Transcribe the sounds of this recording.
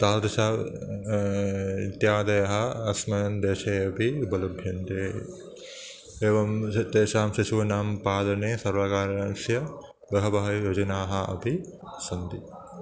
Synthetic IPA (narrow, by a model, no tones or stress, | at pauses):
t̪aːlɾɐʃaː | it̪jaːd̪ɐjɐɦɐ̆ɐsmɐɐnd̪eːʃeːɐpiubɐlɐbʱjɐnt̪eː | eːʋɐmt̪eːʃaːmʃiʃuːnaːmpaːd̪ɐneːsɐɾʋɐkaːɾɐɐnsjɐ | bɐɦɐbɐɦɐjod͡ʒɐnaːɦɐɐ̰pisɐnd̪i